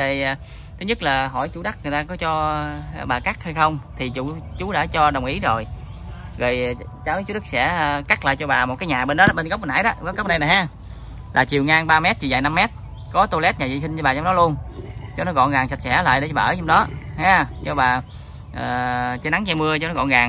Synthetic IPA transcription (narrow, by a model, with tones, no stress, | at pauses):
e˨˩˨ | t̪ʰɨ˨˦ɲɨ˦˥t̚laː˨˩ɦɔ˧˩jt͡ɕu˧˦ɗa˦˥k̚ŋ˨˩əjt̪aː˧kɔ˨˦t͡ɕɔ˧˩ɓaː˨˩ka˦˥k̚ha˧jxə˧wŋ͡mt̪ʰi˨˩t͡ɕu˧˩t͡ɕu˨˦ɗa̰ː˧˥t͡ɕɔ˧ɗə˨˩wŋ͡mʔi˨˦zo˨˩j | ɣəː˨˩jt͡ɕaː˨˦wt͡ɕu˨˦ɗɨ˦˥k̚sɛ̰˧˥˨ka˦˥k̚la̰ː˧˨jt͡ɕɔ˧ɓaː˨˩mo˨˩t̚kaː˨˦jɲaː˨˩ɓe˧nɗɔ˨˦ɓe˧nɣə˦˥p̚ɓə˧˩na̰ː˧˥jɗɔ˦vɔ˨˦˥kə˦w̚na˧jna˨˩jɦaː˨˧˥ | laː˨˩t͡ɕi˨˩əwŋaː˧ŋɓaː˧mɛ˦˥t̚t͡ɕi˨˩za̰ː˧˨jna˧mːɛ˦˥t̚ | kɔ˨˦t̪o˧lɛ˦˥t̚ɲaː˨˩zḭ˧˨s̬i˧nt͡ɕɔ˧ɓaː˨˩t͡ɕɔ˧ŋ͡mɗɔ˨˦lu˧ənt͡ɕɔ˧nɔ˨˦kɔ̰˧˨nɣaː˨˩ŋsa˨˩t̚sɛ̰˧˩la̰ː˧˨jɗe˧˩˦t͡ɕɔ˧ɓa˨˧˨t͡ɕɔ˧ŋ͡mɗɔ˨˦haː˨˧t͡ɕɔ˧ɓaː˨˩ | ʔəː˨˩t͡ɕəː˨˦na˨˦ŋt͡ɕa˧mɨ˧ət͡ɕɔ˧nɔ˨˦kɔ̰˧˨nɣaː˨˩ŋ